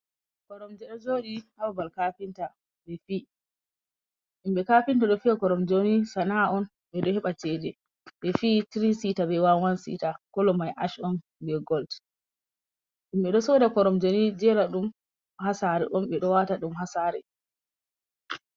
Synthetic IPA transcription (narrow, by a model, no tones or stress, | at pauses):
kɔɾɔmd͡ʒɛɗɔd͡ʒoːɗihawabalkapinta | ɓɛfi | ɗimɓɛkapintaɗɔfiakɔɾɔmd͡ʒonisanaʔɔn | ɓɛɗɔhɛɓat͡ʃɛdɛ | ɓɛfitiɾisitabɛwawansḭtakɔlɔmajʔa̰ʃɔn | bɛɡɔlt | ɗimɓɛɗɔsɔdakɔɾɔmd͡ʒonid͡ʒɛɾaɗum | hasaɾɛʔɔmɓɛɗɔwataɗumɦasaːɾɛ